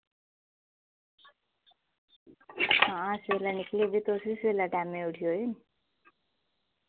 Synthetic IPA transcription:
ããselaniklebit̪osiselaʈameuʈʰjoen

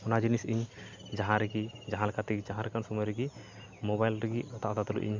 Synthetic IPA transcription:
ɔnad͡ʒinisiɲ | d͡ʒaɦãɾɛɡid͡ʒaɦalkat̪iɡid͡ʒaɦãɾɛkansɔmɔjɾiɡi | mɔbajlɾɛɡiɔt̪aʔt̪at̪ɔlṵʔḭɲ

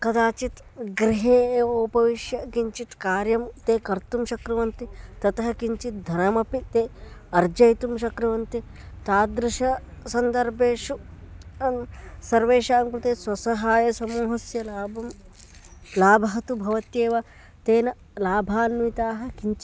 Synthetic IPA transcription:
kɐd̪aːt͡ʃit̪ | ɡɾiɦeːoːpɐʋiʃjɐkiɲt͡ʃit̪kaːɾjɐmt̪eːkɐɾt̪umʃɐkɾɐʋɐnt̪it̪ɐt̪ɐɦɐkiɲt͡ʃit̪̚d̪ʱɐnɐmɐpit̪eːɐɾd͡ʒɐjt̪umʃɐkɾɐʋɐnt̪i | t̪aːd̪ɾiʃɐsɐnd̪ɐɾbʱeːʃu | sɐɾʋeːʃaːmpɾut̪eːswɐsɐɦaːjɐsɐmuːɦɐsjɐlaːbɐm | laːbʱɐɦɐt̪ubʱɐʋɐt̪jeːʋɐ | t̪eːnɐ | laːbʱaːnʋit̪aːɦɐ̆kiɲt͡ʃ

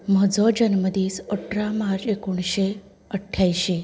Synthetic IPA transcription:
məd͡zɔd͡ʑənməd̪iːsɔʈʰɾamaɾd͡ʑekuɳ̃ɕe | əʈʰːjajɕi

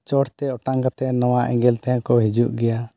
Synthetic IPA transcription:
t͡ʃɔɽt̪ɛɔʈaŋkat̪ɛnɔwaʔɛ̰̃ŋɡɛlt̪ɛãkɔɦid͡ʒuʔɡɛja

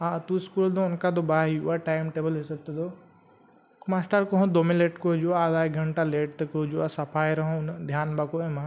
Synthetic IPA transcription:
ãt̪uskuld̪oʊnkad̪obaːɦiṵaʈaːɪmʈeːbəlɦesɐɡ̚t̪ed̪oː | kmaːsʈəɾkoɦõd̪oːmeleːʈkod͡ʒuad̪aːɡʱɐɳʈaleːʈt̪ɐkod͡ʒuasɐpʰaːjɾɐɦõʊnd̪ʱjaːnbakoemã

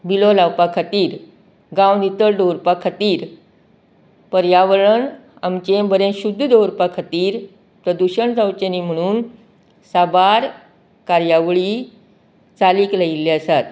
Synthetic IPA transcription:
bilolawpakʰat̪iːɾ | ɡãwnit̪əɾɖowɾpakʰat̪iːɾ | pəɾjaʋɭəɳ | amt͡ɕẽbəɾẽɕud̪ʱːd̪owɾpakʰat̪iːɾ | pɾəd̪uɕəɳt͡sawt͡ɕənim̤əɽ̃uːn | sabaɾ | kaɾjaʋɭiː | t͡saliːklailːeəsat̪̚

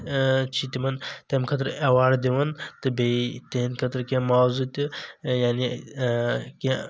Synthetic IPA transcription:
t͡ʃʰit̪imɐnt̪emkʰɐt̪ɾɐwaːɾd̪eʋɐnt̪ɨbet̪enkʰɐt̪ɾkẽmaːzut̪ijaːni | ke

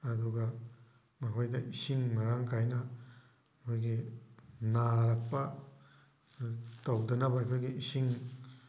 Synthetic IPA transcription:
ɐduɡɐ | mɐkʰojdɐʔisiŋmɐɾaŋkʰajnɐ | kʰojɡi | naɾak̚pɐ | tawdɐnɐbɐːjkʰojɡiisiŋ

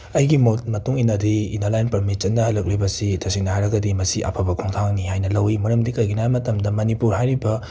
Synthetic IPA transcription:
ɐjɡimmɐtuŋinɐdiːnalajnpɐɾmit͡ʃɐnːɐhɐlɐk̚libɐsidɐsiŋnɐhajɾɐɡɐdimɐsiʔa̰pʰɐbɐkʰoŋtʰaŋnihajnɐlɐwimɐɾɐmdikɐjɡʰinajmɐtɐmdɐmɐnipuɾɦajɾibɐ

